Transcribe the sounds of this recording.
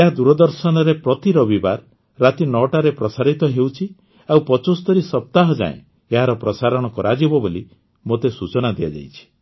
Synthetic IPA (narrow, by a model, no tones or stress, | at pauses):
eɦad̪uɾɔd̪ɔɾsɔnɔɾepɾɔt̪iɾɔbibaɾː | at̪inɔʈaɾepɾɔsaɾit̪ɔɦewt͡ʃʰi | awpɔt͡ʃost̪ɔɾisɔp̚t̪aɦɔd͡ʒã̰ḛ̃ | eɦaɾɔpɾɔsaɾɔɽ̃ɔkɔɾad͡ʒebɔboli | mot̪esut͡ʃɔnad̪ijad͡ʒa̰jt͡ʃʰi̥